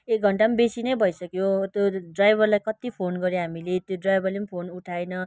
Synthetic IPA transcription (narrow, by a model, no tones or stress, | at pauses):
ek̚ɡʱʌɳʈambesinʌjbʱʌisʌkjot̪joɖrajbʱʌrlajkʌt̪ipʰonɡʌɾjeɦamilet̪joɖrajbʱʌrlempʰonuʈʰajnʌ